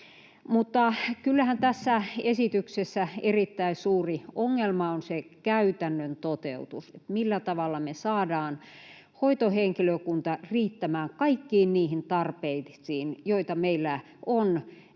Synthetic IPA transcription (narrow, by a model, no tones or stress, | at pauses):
mut̪ːɑkylːæhænt̪æsːæesit̪yksesːæerit̪ːæisuːrioŋːelmɑonsekæyt̪ænːønt̪ot̪ḛut̪uset̪milːæt̪ɑʋɑlːɑmesɑːdɑːn | hoit̪oheŋkiløkunt̪ɑriːt̪ːæmæːŋkɑikːiːnniːhint̪ɑrpeisiːnjoit̪ɑmeilːæ | ʔon